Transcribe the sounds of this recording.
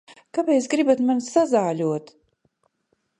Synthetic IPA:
kapɛjsɡɾibat̪mansazaːlʲuɔt̪

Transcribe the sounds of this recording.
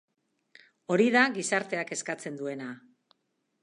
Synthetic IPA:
o̞ɾiðaɣisaɾt̪e̞ake̞skat͡se̞nd̪ue̞na

